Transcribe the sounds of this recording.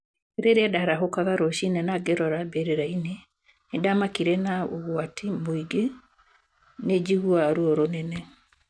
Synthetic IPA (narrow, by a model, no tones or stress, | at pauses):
eɾeɾeadaɾaɦokaɣaɾoʃinɛnaɡeɾɔɾabeɾeɾaine | nedamakiɾɛnaoɣwatimoiɡe | ned͡ʒiɣuaɾoɔɾonɛnɛ